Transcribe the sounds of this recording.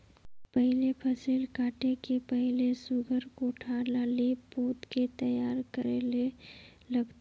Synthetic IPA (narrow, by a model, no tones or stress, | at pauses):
pəɦlepʰəsilkaːʈekepəɦlesʊɡʱəɾkoʈʰalalipoːt̪ket̪əjaːɾkəɾele | ləbt̪